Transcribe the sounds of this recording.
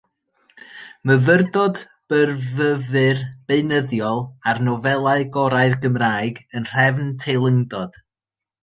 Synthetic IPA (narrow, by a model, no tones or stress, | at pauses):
məvərdɔd | b̥ərvəvɨrb̥eɨnəðjɔlˠarnɔvɛlˠaɨɡɔɾaɨrɡəmraːɨɡənr̥ɛvntʰejlˠəŋdɔd̥